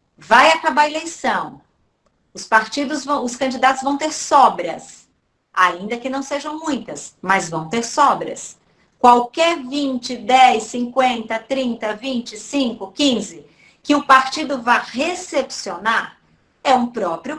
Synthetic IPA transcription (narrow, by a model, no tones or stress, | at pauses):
vajakabaɾelejsɐ̃w̃ | ʊspaɾt͡ʃid̪ʊzṽʊskɐ̃d͡ʒid̪at̪ʊzvɐ̃w̃t̪eɾsɔbɾɐs | aĩnd̪ɐkɪnɐ̃w̃seʒɐ̃w̃mũj̃t̪ɐsmɐzvɐ̃w̃t̪eɾsɔbɾɐ̰s | kwawkɛɾvĩnt͡ʃɪd̪ɛjsĩŋkwẽnt̪ɐt̪ɾĩnt̪ɐvĩnt͡ʃɪsĩŋkʊkĩzɪ | kɪʊpaɾt͡ʃid̪ʊvahesepsionaɾ | ɛũpɾɔpɾjʊ